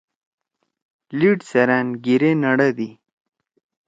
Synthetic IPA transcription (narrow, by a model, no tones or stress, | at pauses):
liʈseɾanɡiɾenaɽad̪i